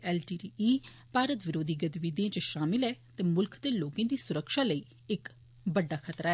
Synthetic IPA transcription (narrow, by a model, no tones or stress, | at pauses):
ɛːlʈiːʈiːiː | paːɾət̪ʋɪɾoːd̪iːɡət̪ʋid̪iãːt͡ʃəʃaːmɪlɛːt̪eːmʊlkʰd̪eːloːkãːd̪iːsʊɾəkʃaːləiː | ɪk | bəɖːaːkʰət̪ɾaːɛ